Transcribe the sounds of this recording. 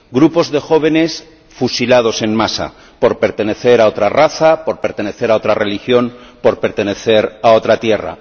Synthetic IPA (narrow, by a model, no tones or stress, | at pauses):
ɡɾupo̞zðe̞xo̞β̞e̞ne̞s | fusilað̞o̞se̞nmasa̰ | poɾpe̞ɾt̪e̞ne̞θe̞ɾao̞t̪ɾaraθapo̞ɾpe̞ɾt̪e̞ne̞θe̞ɾao̞t̪ɾare̞lixjo̞npo̞ɾpe̞ɾt̪e̞ne̞θe̞ɾao̞t̪ɾat̪je̞ra̰